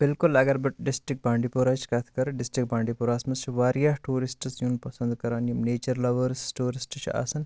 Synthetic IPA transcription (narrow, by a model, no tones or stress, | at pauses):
b̥ɪlkulɐɡɐɾbiʈɖɪsʈɾik̚baːɳɖiːpoɾaːt͡ʃʰi̥kɐt̪ʰkɐɾɨɖɪsʈɾik̚bãːɳɖipuːɾaːsmɐst͡ʃʰiʋaːɾjaːɦʈuːɾisʈsjuːnpɐsɐnd̪kɐɾaːnjumneːt͡ʃɐɾlɐʋɐɾsʈuːɾisʈt͡ʃʰa̰ːsɐn